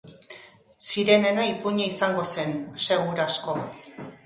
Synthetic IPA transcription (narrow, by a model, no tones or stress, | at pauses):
siɾe̞ne̞naipuɲaisaŋɡo̞se̞nse̞ɣuɾasko̞